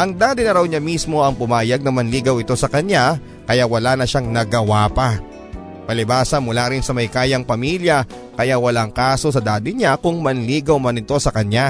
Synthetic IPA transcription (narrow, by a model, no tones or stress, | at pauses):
ʔɐŋd̪aːd̪ɪnɐɾɐwɲamismo̞ʔɐŋpʊmaːjɐɡ̚nɐmɐnliːɡɐwɪt̪o̞sɐkɐɲa | kɐjawɐlanɐʃaŋnɐɡɐwapɐ | pɐlɪbaːsɐnmʊlaɾɪnsɐmɐjkaːjɐŋpɐmiljɐ | kɐjawɐlaŋkaːso̞s̬ɐd̪aːd̪ɪɲakʊŋmɐnliːɡɐwmɐnɪt̪o̞sɐkɐɲa